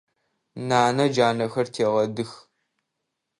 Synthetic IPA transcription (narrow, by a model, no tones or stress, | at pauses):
naːnɐd͡ʒaːnɐxɐrtʰeːʁɐdɨx